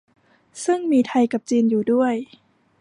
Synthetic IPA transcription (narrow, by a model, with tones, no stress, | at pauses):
sɯ˥˩ŋmiː˧t̪ʰa˧jka˨˩p̚t͡ɕiː˧njuː˨˩du˥˩əj